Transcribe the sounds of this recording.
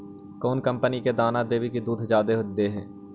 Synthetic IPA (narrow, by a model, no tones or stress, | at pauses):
kɔːnkə̃mpəniked̪aːnad̪eːʋikid̪uːd̪ʱd͡ʒaːd̪eɦʊd͡ʒd̪eɦɛː